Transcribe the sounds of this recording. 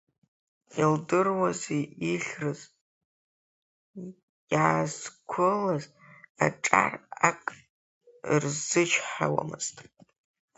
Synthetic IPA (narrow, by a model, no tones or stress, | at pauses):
ildɨrwazeiɬʲrɨz | jʕazkʷʰʊlaz | aʈ͡ʂʼa̰rakʼ | rzɨt͡ʃʰħawa̰mɨz̥tʼ